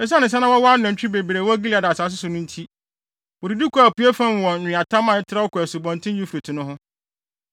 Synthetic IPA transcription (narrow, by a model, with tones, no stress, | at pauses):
ɛ˨˦s̬a˦nɪ̃˨s̬ɛ̃˦nã˦wɔ˦wɔ˦a˦nã˨t͡ɕᶣbe˨bi˨ɾe˨wɔ˦æ˦ɡi˦li˨a˨da˨saː˨˦s̬ɪ˦sʊ˨nʊ̃˦n̩˦tʰi˦ | wɔ˨di˨du˦kʰʷu˨a˨pu˨˦e˦fã˦n˨wɔ̃˨ɪ̃˨a˨tʰã˦mã˨ɛ˦tʰɪ˦ɾa˦wɔ˦kʰɔ˨æ˨sʊ˨bɔ̃˨n˨tʰɪ̃˦u˦fe˨tʰɪ̃˨nʊ̃˦ɦʊ̃˦